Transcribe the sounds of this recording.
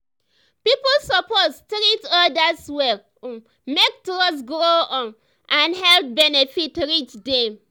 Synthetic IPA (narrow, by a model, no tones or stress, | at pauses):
pipɔlsɔpostɾitɔdaswɛl | mek̚tɔsɡɾoɔ̃n | ʔãnhɛlp̚bɛnefitɹit͡ʃdɛ̃m